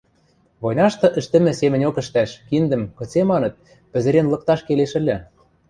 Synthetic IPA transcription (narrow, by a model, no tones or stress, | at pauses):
βojnɑʃt̪ɤ̆ʔɘ̆ʃt̪ɘ̆mɘ̆semɘ̆nʲokə̆ʃt̪æʃkind̪ə̆mkɤ̆t͡semɑnɤ̆t̪̚ | pɘ̆zɘ̆ɾenlɤ̆k̚t̪ɑʃkeleʃɘ̆lʲɘ̆